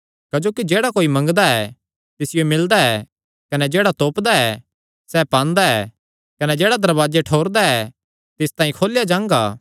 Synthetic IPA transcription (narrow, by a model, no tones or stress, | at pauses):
kɐd͡ʒoːkid͡ʒeːɽakoːimɐ̃ŋɡd̪aɛ | t̪ɪsɪjomɪld̪aɛ | kɐnɛd͡ʒeːɽat̪oːpd̪aɛ | sɛpãːnd̪aɛ̰ː | kɐnɛd͡ʒeːɽad̪ɐɾbaːd͡ʒeʈʰoːɾd̪aɛ | t̪ɪst̪ãːĩkʰoːlɪjad͡ʒãːŋɡa̰ː